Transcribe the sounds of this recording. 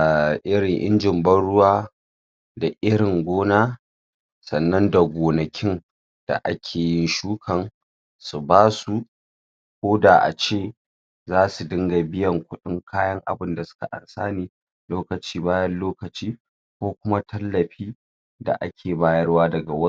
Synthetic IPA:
ʔɪ˦ɾɪ˨ŋʔɪ̰˦nd͡ʒɪ˨mbɐ˦nɽʊ˦waː˦ | da˨ʔɪ˦ɽɪ˨ŋɡʷoː˦naː˦ | sɐ˨nːɐ˦nda˨ɡʷoː˨nɐ˨kʲʰɪ˦n | d̥a̰˨ʔa̰˦kʲʰeː˨jɪ˦nʃuː˦kʰɐ˨ŋ | su˨baː˦su˦ | kʷoː˦da˨ʔa̰˨t͡ʃeː˦˨ | zaː˦su˨dɪ˦ŋɡa˨bɪ˦jɐ˨ŋkʷʊ˦ɗɪ˦ŋkʰaː˦jɐ˦ŋʔa̰˨bɪ˦nda˨sʊ̥˦ka̰˨ʔa̰˨nsaː˦niː˦ | loː˦kɐ˨t͡ʃiː˦baː˦jɐ˦nloː˦kɐ˨t͡ʃiː˦ | kʷoː˦kʷʊ˦ma˦tʰɐ˦lːɐ˨ɸiː˦ | da̰˨ʔa˦kʲʰeː˨baː˦jɐ˦rwaː˦dɐ˨ɡa˨wɐ˦

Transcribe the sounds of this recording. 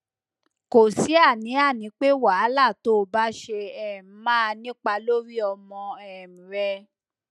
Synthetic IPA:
ko˨si˨˦a˦˨nĩ˨˦a˦˨nĩ˨˦k͡pe˦wa˨˦la˦˨to˦˨ba˦ʃe˧ɛ˦˨m̩˨˦mãː˦˧nĩ˦k͡pa˧lo˦ɾi˦ɔ˧mɔ̃˧ɛ˦˨m̩̃˨ɾɛ˧

